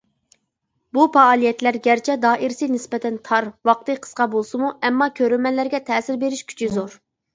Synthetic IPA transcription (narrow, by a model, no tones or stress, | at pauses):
bupɑːlˠijɛt̪læɾɡʲæɾt͡ʃʰɛd̪ɑːʔiɾsɨnɪspɛt̪ʰɛnt̪ʰɑɾwɑq̚t̪ɨqʰə̥sqɑbolˠsɨmuɛmːɑkʲʰøɾymɛnlæɾɡʲɛt̪ʰɛːsɪɾbeɾɪʃkʲʰy̥t͡ʃʰizoɾ